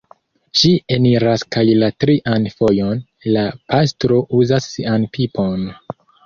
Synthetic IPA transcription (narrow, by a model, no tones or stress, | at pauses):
ʃie̞niɾaskajlatɾiʔanfo̞jo̞n | lapʰastɾo̞ʔuzasːianpʰipo̞n